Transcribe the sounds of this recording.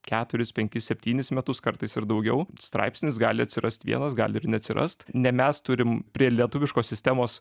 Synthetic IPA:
kʲæːt̪ʊɾʲɪspʲɛŋʲkʲɪsʲɛpʲt̪ʲiːnʲɪsmʲɛt̪ʊskɐɾt̪ɐɪsɪɾd̪ɐʊɡʲɛʊst̪ɾɑ̰ɪpsʲnʲɪs̬ɡɑːlʲɪɐt̪ʲsʲɪɾʔɐst̪ʲʋʲḭɛnɐsɡɑ̰ːlʲɪɪɾnʲɛɐt̪ʲsʲɪɾʔɐ̰st̪nʲɛmʲɛst̪ʊɾʲɪmpʲɾʲiɛlʲiɛt̪ʊʋʲɪʃkoːsʲsʲɪsʲt̪ʲɛmoːs

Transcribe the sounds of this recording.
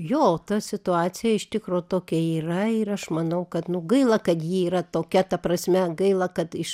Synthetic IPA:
joːot̪ɐsʲɪt̪ʊɑːt͡ssʲɪjɛɪʃt̪ʲɪkɾoːt̪oːkʲɛiːrɐɪɾɐʃmɐnɐʊkɐt̪nʊɡɐɪlˠɐkɐt̪jiiːɾɐt̪oːkʲɛt̪ɐprɐsʲmʲɛɡɐɪlˠɐkɐt̪ɪʃ

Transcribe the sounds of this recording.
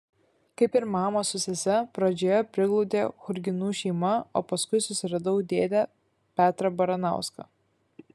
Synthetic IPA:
kɐɪpɪɾmɑːmɐsʊsʲɛsʲɛpɾɐd͡ʒʲoːjɛpʲɾʲɪɡlˠɒʊd̪ʲeːxʊɾʲɡʲɪnuːʃʲɛɪmɐo̰ːpɐskʊɪsʊsʲɪɾɐd̪ɐʊd̪ʲeːd̪ʲɛ | pʲæːt̪ɾɐbɐɾɐnɑ̰ˑʊskɐ̰ː

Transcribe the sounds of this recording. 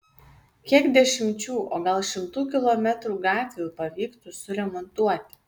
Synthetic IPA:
kʲiɛɡd̪ʲɛʃʲɪmʲt͡ʃʲuːʔoːɡɐlˠʃʲɪmt̪uːkʲɪlˠoːmʲɛt̪ɾuːɡɑːt̪ʲʋʲejuːpɐʋʲiːkt̪usʊɾʲɛmɔnt̪uɔt̪ʲɪ̥

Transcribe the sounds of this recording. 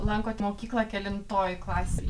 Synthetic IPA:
lˠɐŋkoːt̪ʲmoːkʲiːklˠɐkʲɛlʲɪnt̪oːjklˠɑːsʲɪ

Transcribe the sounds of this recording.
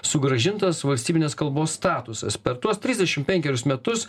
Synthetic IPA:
sʊɡɾɐʒʲɪnt̪ɐsʋɐlʲsʲt̪ʲiːbʲɪnʲeːskɐlˠboːsːt̪ɑːt̪ʊsɐ̰spʲɛɾt̪uɔst̪ʲɾʲɪzʲd̪ʲɛʃʲɪmpʲɛŋʲkʲɛɾʲʊsmʲɛt̪ʊs

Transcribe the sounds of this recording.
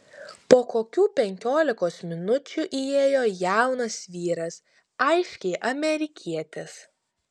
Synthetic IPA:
poːkoːkʲuːpʲɛŋʲkʲoːlʲɪkoːsmʲɪnʊt͡ʃʲuʔieːjoːjæˑʊnɐsʋʲiːɾɐs | ɐɪʃʲkʲɛɪʔɐmʲɛɾʲɪkʲʰiɛt̪ʲes

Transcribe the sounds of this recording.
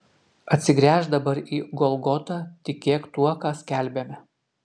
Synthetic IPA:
ɐt̪ʲsʲɪɡɾʲæːʒd̪ɐbɐɾiːɡɔlˠɡɔt̪ɑːt̪ʲɪkʲeːkt̪uɔkɑːsʲkʲæˑlʲbʲɛmʲɛ

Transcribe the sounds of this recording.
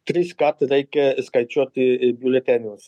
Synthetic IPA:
t̪ɾiskat̪ɾɛjkɛskajt͡ʃot̪ibʲjulet̪ʲanʲus

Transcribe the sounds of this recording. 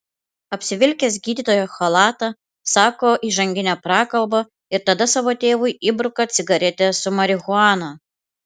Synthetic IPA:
ɐpʲsʲɪʋʲɪlʲkʲesɡʲiːd̪ʲiːt̪oːjɛxolˠɑːt̪ɐ | sɑːkoːʔiːʒɐŋʲɡʲɪnʲɛpɾɑːkɐlˠbɐ | ɪɾt̪ɐd̪ɐsɑːʋoːt̪ʲeːʋʊɪibɾʊkɐt̪sʲɪɡɐɾʲɛt̪ʲɛsʊmɐɾʲɪɣʊɑːno

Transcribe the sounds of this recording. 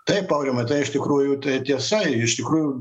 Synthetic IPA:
t̪ɐɪppɐʊɾʲimɐt̪ɐɪɪʃt̪ʲɪkɾuːjʊt̪ɐɪt̪ʲiɛsɐɪʃt̪ʲɪkɾuːjʊ

